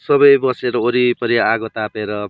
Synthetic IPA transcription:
sʌbʌjbʌseɾʌoɾipʌɾiaɡot̪apeɾʌ

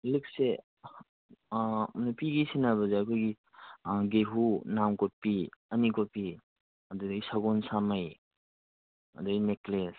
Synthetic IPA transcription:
lik̚se | napiɡisinaβɐzeɐkʰojɡi | ɡeɦunamkɔt̚piɐnikot̚pi | ɐdudjsaɡɔnsamaj | ɐ̰dujnekles

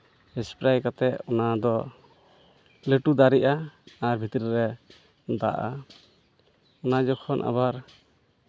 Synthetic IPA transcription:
ɛspɾajkat̪ɛʔɔnad̪ɔ | ləʈud̪aɾiʔaːɾbʱit̪ɾiɾɛ | d̪a̰ʔa̰ | ɔnad͡ʒɔkʰɔnʔa̰βaɾ

